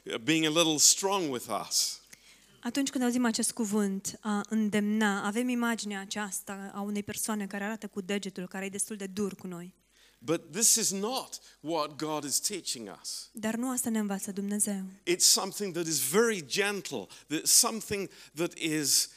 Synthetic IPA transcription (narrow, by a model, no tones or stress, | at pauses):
biɪ̃ŋɨlɪɾl̩ˠstɹ̥ɔ̃ŋwɪðʌ̰s | at̪unt͡ʃkɨnd̪awuzimat͡ʃe̞st̪̚kuvɨnt̪aʔɨnd̪e̞mnaːve̞mimad͡ʒineaːt͡ʃast̪aaune̞jpe̞rsoane̞kaɾeaɾat̪əkud̪e̞d͡ʒe̞t̪ulkaɾejed̪est̪uld̪e̞d̪urkuno̞j | b̥ʌt̪̚ðɪsɨznət̚wʌt̚ɡ̥ɑɾɨz̥tʰit͡ʃɪ̃ŋʌ̰sd̪arnuast̪ane̞ɨnvat̪səd̪umne̞ze̞wɪtsʌ̃mθɪ̃ŋðɨɾɨzvɛɹid͡ʒɛ̃ntʰˡl̩ˠðɨtsʌ̃mθɪ̃ŋðɨɾɪz̥